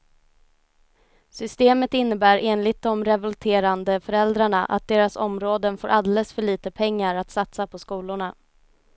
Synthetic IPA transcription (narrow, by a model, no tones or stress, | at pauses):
sʏst̪eːmət̪ɪnːəbæːɾeːnlɪt̪̚d̪ɔmɾɛvɔlt̪ʰeːɾand̪əfœɾɛld̪ɾaɳaʔa̰t̪̚d̪eːɾasɔmɾoːd̪ənfo̰ːɾʔald̪ɛlɛsfœɭiːt̪əpʰɛŋːaɾat̪sat̪sapʰɔskuːlʊɳa